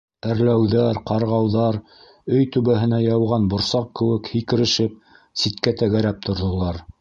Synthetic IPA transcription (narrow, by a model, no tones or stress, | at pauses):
æɾlæwðæɾqɑɾʁɑwðɑɾ | ɵjt̪ʉβæɦɘ̆næjɑwʁɑnbŏɾsɑq̚kɘ̆wɘkhikɘ̆ɾɘ̆ʃɘp̚ | sit̪kæt̪æɣæɾæp̚t̪ŏɾðŏlˠɑɾ